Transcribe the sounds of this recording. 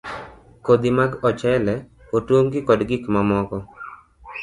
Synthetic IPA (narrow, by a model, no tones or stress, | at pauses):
kod̪imaɡɔt͡ʃɛlɛ | otwoŋɡɪkɔdɡɪkmamɔkɔ